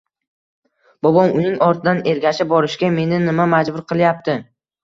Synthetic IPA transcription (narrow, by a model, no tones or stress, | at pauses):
b̥ɒbɒmʊnɪŋɒɾt̪ʰɪd̪aneɾɡʲaʃɪp̚bɒɾɪʃkʲame̞nɪnɪmamad͡ʒbʊɾqʰɨlˠjap̚t̪ʰɪ